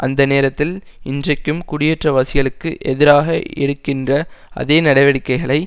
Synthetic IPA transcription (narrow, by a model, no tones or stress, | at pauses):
ʔɐnd̪ɐneːɾɐt̪ːɪl | ɪndrɐɪkːɯmkʊɽɪjɛʈrɐʋɐsɪjɐɭɯkːɯʔɛðɪɾaːɣɐɛ̰ɽɯkːɪndrɐɐ̰ðeːnɐɽɐɪʋɐɽɪkːɐɪɣɐɭɐɪ